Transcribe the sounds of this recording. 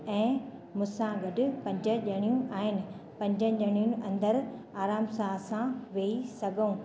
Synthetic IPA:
ɛ̃ːmʊ̃sãɡɐɖʊ̆pɐ̃ɲd͡ʑə̆ʄɐɽ̃ijũʔaːɦɪnɪ̆pɐ̃ɲd͡ʑə̃ʄɐɽ̃ijũnʔɐ̃nd̪əɾ | aːɾaːmsaːɦsãʋeːisɐɡʱoũː

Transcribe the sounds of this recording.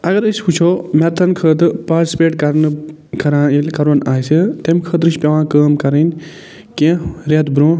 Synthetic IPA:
ɐɡɐɾɨʃhʰut͡ʃʰoːmɛɾt̪ʰɐnkʰəːt̪ɨpaːɾʈisi̥peːʈkɐɾnɨ | kɐɾãːilkɐɾonaːjset̪emkʰəːt̪ɾɨʃpʲɐʋãːkəːmkɐɾenʲ | kẽɾet̪bɾõː

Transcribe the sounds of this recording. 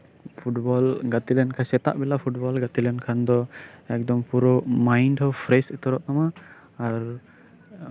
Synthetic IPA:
pʰuʈbɔlɡat̪ilɛnkʰasɛt̪a̰ʔbɛlapʰuʈ̚bɔlɡat̪ilɛnkʰand̪ɔɛk̚d̪ɔmpuɾɔmajɳɖɦɔpʰɾɛsɛt̪ɔɾɔʔt̪amaː | ɾ

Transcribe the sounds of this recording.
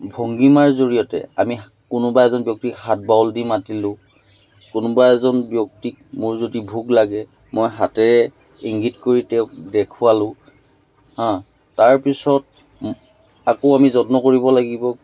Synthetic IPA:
bʱoŋɡimaɹzoɹijɔtɛ̰ami | kʊnʊbaɛzɔnbjɔk̚tikhat̚bawldimatilʊ̃ | kʊnʊbaɛzɔnbjɔk̚tik̚mʊɹzodibʱuɡlaɡɛ | mojɦatɛɹɛ | iŋɡitkoɹitɛʊk̚dɛkʰʊalʊ̃ | hɔ̃ | taɹpisɔt | akoamizɔtnɔkoɹibɔlaɡibɔ

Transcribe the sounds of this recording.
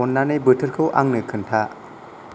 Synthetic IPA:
ɔnːanɯjbɯtʰɯɾkʰɯwʔa̰ŋnɯkʰɯntʰa

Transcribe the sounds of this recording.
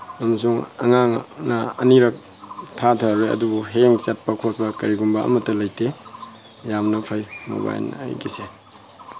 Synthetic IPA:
ɐmɐsuŋɐ̰ŋaŋnɐɐ̰niɾɐk̚ | tʰatʰaɾojɐ̰dubuɦeŋt͡ʃɐt̚pɐkʰot̚pɐkɐɾiɡumbɐʔɐ̰mɐtːɐlɐjte | jamnɐpʰajmo̰ba̰j̰n̰a̰jɡise

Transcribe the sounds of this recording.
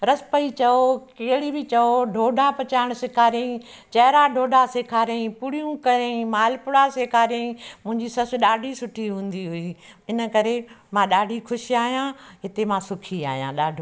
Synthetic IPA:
ɾɐspɐit͡ɕɐokeːɽibɪt͡ɕɐoɖʱoːɖʱapɐt͡ɕaːɪɽ̃ʊsɪkʰaːɾẽĩ | t͡ɕɐɦɪɾaɖʱoːɖʱaseːkʰaːɾẽĩpʊɽijũkɐɾẽĩmaːlpʊɽaseːkʰaːɾjẽĩmʊ̃ɦɪ̃ɲd͡ʑisɐsɗaːɖʱisʊʈʰiɦũːnd̪iɦʊiːɪnə̆kɐɾemãːɗaːɖʱixʊʃiaːɦijãɦɪt̪emãːsʊkʰia̰ːɦijã̰ːɗaːɖʱ

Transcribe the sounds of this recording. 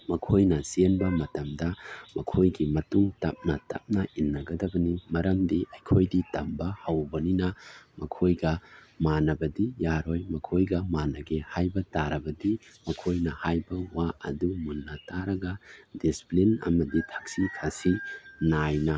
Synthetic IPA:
mɐkʰojnɐsenbɐmɐtɐmdɐmɐkʰojɡimɐtuŋtɐp̚nɐtɐ̰p̚nɐʔinːɐɡɐdɐbɐnimɐɾɐmdiʔɐjkʰojditɐmbɐhɐwbɐninɐmɐkʰojɡɐmanɐbɐdijaɾojmɐkʰojɡɐmanɐɡehajbɐtaɾɐbɐdimɐkʰojnɐhajbɐwaʔɐ̰dumunːɐtaɾɐɡɐdisi̥plinɐ̰mɐditʰɐ̥k̚sikʰɐsinajnɐ

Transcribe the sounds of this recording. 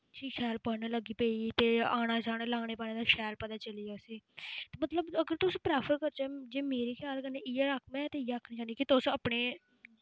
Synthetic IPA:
d͡ʒiːʃɛːlpənaːləɡiːpeːiːt̪eːaːnaːt͡ʃaːneːlaːɽeːpaːnẽːd̪aʃɛːlpɛd̪aːt͡ʃəliːasiːt̪eːmət̪ləbəɡəɾt̪ʊspɾɛːpʰəɾkəɾt͡ʃɛd͡ʒeːmeːɾiːkʰjaːlkəneɪjːɾakʰmɛ̃ːt̪eːijakʰniːt͡ʃaːnd̪iːkit̪ʊsaːpɳeː

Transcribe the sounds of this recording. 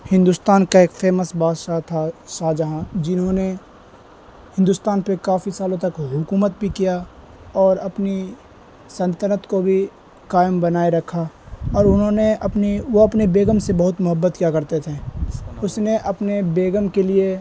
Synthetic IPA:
hɪ̃nd̪ust̪aːnkaeːkfeːməsbaːʃat̪ʰaʃaːd͡ʒəɦãd͡ʒɪnɦõːne | hɪ̃nd̪ust̪aːnpekaːfisaːlõt̪ɐkɦʊkuːmət̪̚bʱikija | ɔːɾɐpni | sɐ̃nt̪əɾət̪kobʱi | kaːjəmbɐnaːeɾɐkʰːaɔːɾʊnɦõːneɐpniʋoɐpnebeːɡəmsebɐɦʊt̪mʊɦəbːət̪kjakɐɾt̪et̪ʰẽʊsneʔɐpnebeːɡəmkelie

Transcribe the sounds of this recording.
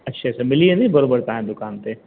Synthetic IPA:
ɐtːʃʰasɐmɪlienɐĩbɐɾoːbəɾt̪ãːɦẽd̪ʊkaːnt̪e

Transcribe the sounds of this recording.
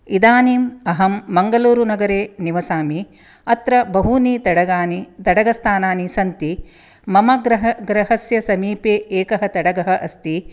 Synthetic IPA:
id̪aːniːmɐɦɐmːɐŋɡɐluːɾunɐɡɐɾeːniʋɐsaːmi | ɐt̪ɾɐbɐɦuniːt̪ɐɽɐɡaːnit̪ɐɽɐɡɐst̪ʰaːnaːnisɐnt̪i | mɐmɐɡɾɐɦɡɾɐɦɐsjɐsɐmiːpeːʔeːkɐɦɐt̪ɐɽɐɡɐɦɐʔɐst̪i

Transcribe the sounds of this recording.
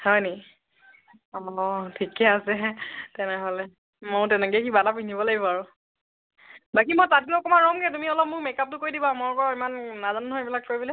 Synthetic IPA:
hɔjnei | ɔtʰikɛasɛtɛnɛɦɔlɛ | mʊɹtɛnɛkɛkibatapinibɔlaɡibɔaɹʊ | bakimɔjtat̚ilɔkɔmanɹɔmɡɛtumiɔlɔp̚mʊɹmɛkap̚tʊkoɹjdibamɔɹkɔɹimanːazanɦojbilakːoɹibilɛ

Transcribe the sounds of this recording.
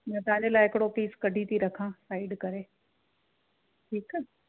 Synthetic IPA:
mɐ̃t̪ɐʋ̤ãɲ̆d͡ʑelaːɪɦɪkɪɽopiːskɐɖʱit̪ʰiɾɐkʰãsaːɪɖkɐɾeː | ʈʰiːkː

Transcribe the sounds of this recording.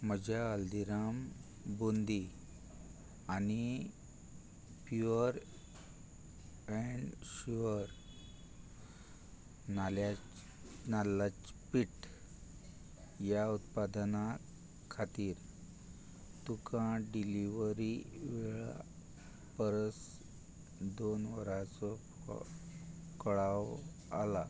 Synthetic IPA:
məd͡ʑʱjaəld̪iɾam | bond̪i | ani | pjuəɾ | ɛɳɖɕuʋəɾ | nala | nalat͡spiʈ | jaut̪̚pad̪na | kʰat̪iːɾ | t̪ukãɖiliʋəɾiʋeɭa̰ | pəɾəs | d̪onʋəɾat͡sɔ̰ | kəɭaw | a̰la

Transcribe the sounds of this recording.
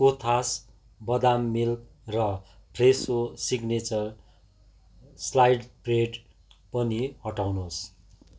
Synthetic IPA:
kot̪ʰas | bʌd̪amːilk | rʌ | presosiɡnet͡sʌr | slajɖpreɖ | pʌnihʌʈawnos

